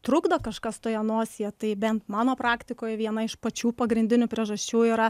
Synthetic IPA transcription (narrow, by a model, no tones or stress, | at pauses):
t̪ɾʊɡd̪ɐkɐʃkɐst̪oːjɛnoːsʲɪjɛt̪ɐɪbʲɛnt̪mɑːnoːpɾɑːkt̪ʲɪkoːjɛʋʲiɛnɐɪʃpɐt͡ʃʲuːpɐɡɾʲɪnʲd̪ʲɪnʲʊpʲɾʲiɛʒɐsʲt͡ʃʲuːiːɾɐ